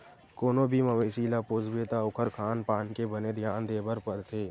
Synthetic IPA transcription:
koːnõːbʱimɐʋeːsiːlapoːzbeːt̪aʊkʰəɾkʰaːnpaːnkebəned̪ʱjaːnd̪eːbəɾpəɾt̪ʰeː

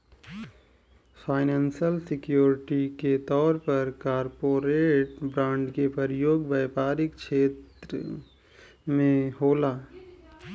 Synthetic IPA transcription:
fʰaːɪnãːnsəlsɪkjuːɾɪʈiket̪ɔːɾpəɾkaːɾpoːɾeːʈbɾãːɳɖkepəɾjoːɡbəːpaːɾɪkt͡ʃʰeːt̪ɾə | mẽɦoːlaː

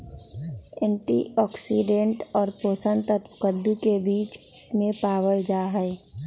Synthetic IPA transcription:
ɛ̃ːɳʈiɔːksiɖẽɳʈɔːɾpoːsənt̪ət̪kəd̪ukebiːt͡ʃ | mẽpaːwəld͡ʒaːɦɛɪ

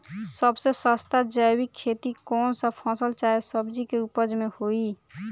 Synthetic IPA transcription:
səbsesəst̪ad͡ʒəwikʰːet̪ikɔːnsəpʰɔ̃səlt͡ʃaesəbd͡ʒikeupəd͡ʒmehoi

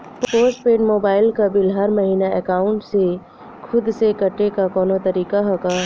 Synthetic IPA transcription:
ppoːsʈ̚peːɖmoːbaːɪlkabɪlɦɐɾmɐɦiːnaɛkaːʊ̃ɳʈse | kʰʊd̪sekɐʈːekakɔːnot̪ɐɾiːkaɦokaː

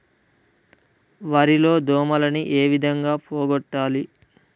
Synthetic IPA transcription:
ʋaːɾilo̞ːd̪ɔːmɐlɐniʔeːʋid̪ʱɐŋɡaːpoːɡɔʈːaːli

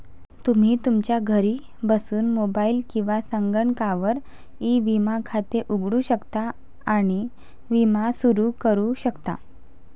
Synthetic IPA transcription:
t̪um̤iːt̪umt͡ɕjaɡʱəɾiː | bəsuːnmobailkĩw̃ʋasəŋɡəɳkaʋəɾ | iʋimakʰat̪eʔuɡɽuːɕəkt̪aː | ɽ̃i | ʋimasuɾuːkəɾuɕəkt̪a̰

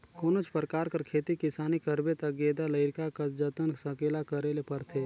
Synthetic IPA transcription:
koːnot͡ʃʰpɾkaːɾkəɾkʰeːt̪ikɪsaːnikəɾbet̪əɡeːd̪aləɪɾkakɐd͡ʒət̪ənsəkeːlakəɾelepəɾt̪ʰeː

